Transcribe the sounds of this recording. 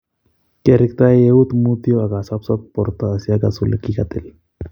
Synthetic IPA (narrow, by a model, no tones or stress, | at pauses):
keɾikt̪aeut̪mut̪jɔaɡasapsɔt̪̚pɔɾt̪əəsjaɡasulḛkikat̪ḛl